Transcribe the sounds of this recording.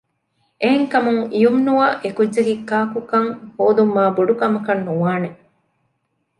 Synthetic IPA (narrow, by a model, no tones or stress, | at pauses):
ʔeɦeŋkɐmuŋijumnuɐʔekudːd͡ʒɐɡikːaːkukɐŋhoːd̪umːaːboɖukɐmɐkɐnːuʋaːne